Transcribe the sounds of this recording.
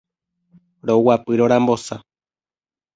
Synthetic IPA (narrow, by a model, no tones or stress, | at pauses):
ɾowapɨɾoɾãmbo̞sa